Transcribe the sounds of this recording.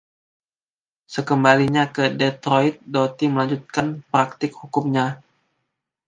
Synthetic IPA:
səkəmbaliɲakədɛt̪ɾoit̪̚dot̪iməlaɲd͡ʒut̪̚kanpɾak̚t̪ɪkhukʊmɲa

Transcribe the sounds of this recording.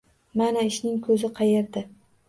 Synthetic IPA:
manaɪʃnɪŋkʰɵzɪqʰɑjeɾd̪ɪ

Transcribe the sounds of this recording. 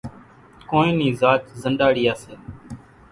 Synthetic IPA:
koːnẽːnĩːzaːt͡ʃzənɖaːɽiːaːseː

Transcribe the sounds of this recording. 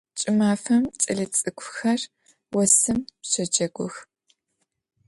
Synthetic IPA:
t͡ʃʼɪmaːfɐmt͡sʼɐɮɐt͡sʼɨkʷʰʼʊxɐr | wɔsɨmpɕɐd͡ʒɐɡʷʊx

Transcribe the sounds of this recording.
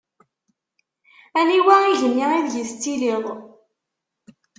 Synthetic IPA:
æniwæiʝənːiiðʝəst̪ːiliðˤ

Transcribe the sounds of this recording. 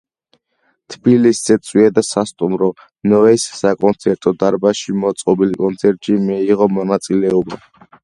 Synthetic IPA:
t̪ʰbilisz̥ɛt̪sʰʼwiad̪asast̪ʼumɾɔ | nɔɛsːakʼɔnt̪sʰɛɾt̪ʼɔd̪aɾbaʃimɔt̪sʼqʼɔbilikʼɔnt̪sʰɛɾt̪ʼʃimɛiʁɔmɔnat̪sʼilɛɔba

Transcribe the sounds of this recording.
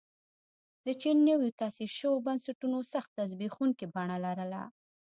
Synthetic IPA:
d̪ət͡ʃinːəwot̪ɑsiɾʃəwobansaʈunosaxt̪ːaz̬bixuŋkibɑɳalaɾəla̰

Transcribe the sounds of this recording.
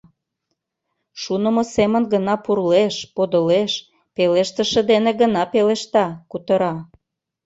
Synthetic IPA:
ʃunə̆mosemə̆nɡənɑpurleʃpod̪əleʃ | peleʃt̪ə̆ʃə̆d̪eneɡənɑpeleʃt̪ɑkut̪ə̆ɾɑ

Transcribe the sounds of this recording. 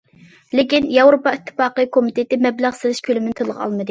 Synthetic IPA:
lɪkʲinjɑwɾopɑit̪ʰːɨ̥fɑːqəkʰomit̪ʰet̪ɪmɛblæʁsɨlˠɪʃkʲʰølɪmɪnɪt̪ʰolˠəʁɑ̰lˠmɨd̪ɨ

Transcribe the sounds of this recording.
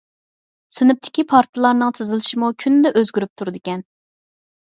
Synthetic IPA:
sɨnɨp̚t̪ʰɪ̥kʲipʰɑɾt̪ʰɨlˠɑɾnɨŋt̪ʰɨzɨlˠɨʃimukʲʰynɪd̪ɛʔøzɡʲyɾyp̚t̪ʰuɾɨd̪ɪkʲɛn

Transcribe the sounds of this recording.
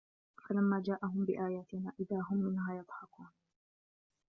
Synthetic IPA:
falamːaːd͡ʒaːʔaɦʊmbɪʔaːjaːt̪ɪnaːʔɪðaːɦʊmːɪnhaːjɑd̪ˤħɑkuːn

